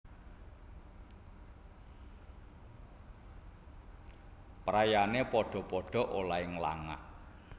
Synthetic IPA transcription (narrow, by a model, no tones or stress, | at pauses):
pɾajanepɔɖ̥ɔ̤pɔɖ̥ɔ̤ʔolaɪŋla̰ŋa̰ʔ